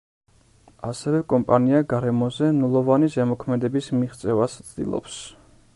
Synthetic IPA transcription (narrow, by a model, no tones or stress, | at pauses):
asɛvɛkʼɔmpʼaniaɡaɾɛmɔzɛnulˠɔvanizɛmɔkʰmɛd̪ɛbismiʁt̪sʼɛvast̪sʰd̪ḭlˠɔ̰ps